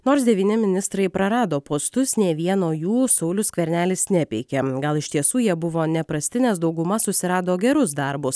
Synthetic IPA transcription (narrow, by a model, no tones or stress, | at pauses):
noːɾs̬d̪ʲɛʋʲiːnʲɪmʲɪnʲɪst̪ɾɐɪpɾɐɾɑːd̪oːpoːst̪ʊsnʲeːʋʲiɛnoːjuːsɐʊlʲʊskʋʲɛɾʲnʲæːlʲɪsnʲɛpʲɛɪkʲɛɡɐlˠɪʃʲt̪ʲiɛsuːjiɛbʊʋoːnʲɛpɾɐsʲt̪ʲɪnʲɛːsd̪ɒʊɡʊmɐsʊsʲɪɾɑːd̪oːɡʲɛɾʊs̬d̪ɐɾbʊs